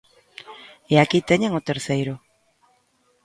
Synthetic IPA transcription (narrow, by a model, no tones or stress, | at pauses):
eakit̪eɲeŋot̪eɾθejɾo